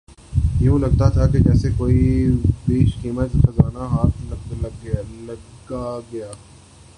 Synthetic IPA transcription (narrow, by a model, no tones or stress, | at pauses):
jɐɦũlɐɡ̚t̪at̪ʰaked͡ʒɛːsekoːibeːʃkiːmət̪xɐzaːnaɦaːt̪̚ʰlɐllɐ | ɡaɡɐjaː